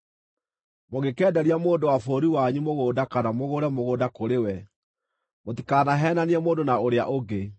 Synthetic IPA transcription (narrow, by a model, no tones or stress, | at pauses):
moɣɡekɛːdɛɾiamoːndowafoːɾiwaɲimoɣoːdakanamoɣoɾɛmoɣoːdakoɾewɛ | moti̥kaːnaɦɛːnaneɛmoːndonaoɾea̰ʔoɡe